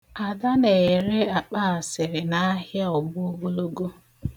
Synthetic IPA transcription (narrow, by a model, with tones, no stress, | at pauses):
a˨da˦ne˨ɾɪ˦a˨k͡pa˦a˨sɪ˨ɾɪ˨na˦ɦja˦ɔ˨bʊ˦o˦ɡo˦lo˦ɡo˦